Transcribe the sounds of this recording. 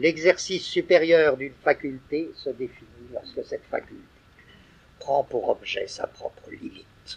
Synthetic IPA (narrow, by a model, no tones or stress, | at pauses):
lɛɡzɛʁsisːypeʁjœːʁd̪ynfakʲylt̪esəd̪efinilɔʁskəsɛt̪fa̰kʲylt̪e̥ | pχɑ̃puʁɔbʒɛ̰sa̰pχɔ̰pχəlimit̪